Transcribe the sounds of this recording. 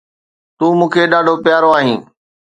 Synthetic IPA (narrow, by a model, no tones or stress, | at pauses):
t̪uːmũːkʰeːɗaːɖʱopjaːɾoaːɦĩː